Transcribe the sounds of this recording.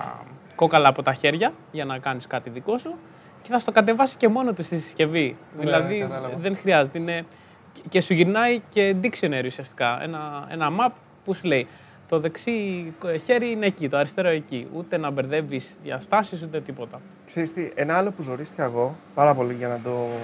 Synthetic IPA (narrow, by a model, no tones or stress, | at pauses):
ko̞kɐlɐːpo̞t̪ɐçe̞ɾʝɐ | ʝɐnɐkɐniskɐt̪iðiko̞su | ce̞θɐst̪o̞kɐt̪̬e̞vɐsi̥ce̞mo̞no̞t̪ust̪isi̥sce̞viðilɐðiðenxɾiɐzet̪eine̞ | ce̞suʝiɾnɐice̞d̪iksoneɾiusiɐst̪i̥kɐḛnɐe̞̰nɐmɐp̚ | pusule̞i | t̪o̞ðe̞ksiçe̞ɾiine̞ːcit̪oɐɾist̪e̞ɾoeciut̪e̞nɐbe̞ɾðe̞visʝɐ̰st̪ɐsisut̪e̞t̪ipo̞t̪ɐ | kseɾist̪iʔenɐɐlo̞puzno̞ɾisikɐeɣo̞pɐɾɐpo̞liʝɐnɐd̪o̞